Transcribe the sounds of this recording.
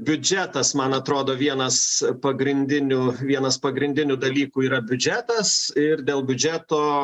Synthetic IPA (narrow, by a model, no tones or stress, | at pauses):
bʲʊd͡ʒʲæt̪ɐsmɐnɐt̪ɾoːd̪oːʋʲiɛnɐspɐɡɾʲɪnʲd̪ʲɪnʲʊʋʲiɛnɐspɐɡɾʲɪnʲd̪ʲɪnʲʊd̪ɐlʲiːkuːiːɾɐbʲʊd͡ʒʲæːt̪ɐsɪrd̪ʲeːlˠbʲʊd͡ʒʲæːt̪oː